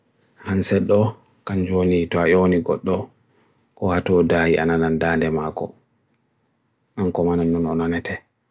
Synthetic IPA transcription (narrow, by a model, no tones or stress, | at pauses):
hansɛɗɔ | kand͡ʒonitɔaʔoniɡɔ̰ɗːɔ | kɔhatɔdaːjiʔa̰nanandandɛmaːkɔ̰ | ʔankɔmananːɔnɔnɔnɛtʰɛ